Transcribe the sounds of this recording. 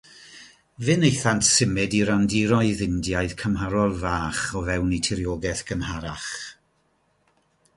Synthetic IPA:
vɨnejθantsɪmɨdiɾandiɾɔɨðɪndjaɨðkʰəmɦaɾɔlˠvaːχɔvɛwnitʰɪɾjɔɡɛθɡ̥ənhaɾaχ

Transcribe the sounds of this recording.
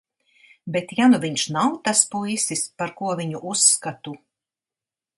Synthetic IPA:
bet̪januvʲiɲʃnawt̪aspujsispaɾkuɔvʲiɲuʔusːkat̪u

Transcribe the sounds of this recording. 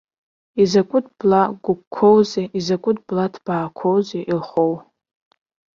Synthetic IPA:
izakʷʼʊtʰblaɡʷʊkkʷʰːowzeʔizakʷʼʊtʰʼblatʰb̥aːkʷʰowzeʔilχow

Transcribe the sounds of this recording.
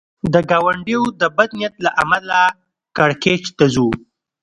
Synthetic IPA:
d̪əɡawaɳɖewd̪əbad̪nijat̪laʔamala | kaɽket͡ʃt̪azu

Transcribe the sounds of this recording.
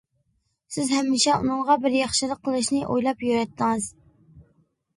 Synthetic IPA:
sɪzhɛmːɪʃɛṵnɨŋʁɑbɪɾjɑχʃɨlˠəqʰːəlˠɨʃnɨʔojlˠɑpjøɾɛt̪ːɨŋɨz̥

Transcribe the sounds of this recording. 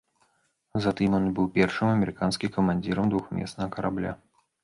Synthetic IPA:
zat̪ɨmʲɔnbɨwpʲɛrʂɨmɐmʲɛɾɨkanskʲikɐmanʲd͡zʲiɾɐmd̪vuxmʲɛ̰snɐɦɐkɐɾablʲa̰

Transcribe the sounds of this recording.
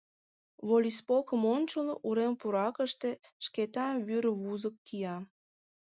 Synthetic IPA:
βolʲispolkəmont͡ɕəlʔuɾempuɾɑkəʃt̪e̽ | ʃket̪ɑβyɾβuzəkːijɑ

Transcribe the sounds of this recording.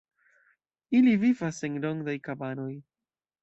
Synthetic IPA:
ilivivaseŋlo̞ŋɡdajkabano̞j

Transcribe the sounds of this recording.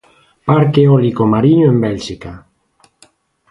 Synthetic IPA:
paɾkeɔlikomaɾiɲoẽmbɛlʃika

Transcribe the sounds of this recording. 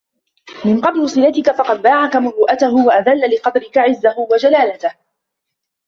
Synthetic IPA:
mɪnqɑblʊsˤɨlat̪ɪkafɑqɑd̪̚baːʕakamʊɾuːʔat̪aɦʊwaʔaðalːalɪqɑd̪ɾɪkaʕɪzːahʊwad͡ʒalaːlat̪ah

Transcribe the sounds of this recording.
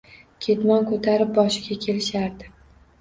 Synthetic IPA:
kʲʰe̞t̪mɒnkʰɵt̪ʰaɾɪp̚bɒʃɪɡʲakʲʰe̞lɪʃaɾd̪ɪ

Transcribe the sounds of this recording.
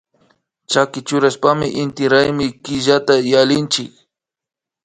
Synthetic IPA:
t͡ʃakɪt͡ʃʊɾaʃpamɪʔɪnt̪ɪɾajmɪkɪʒat̪ajalɪnt͡ʃɪ̰k

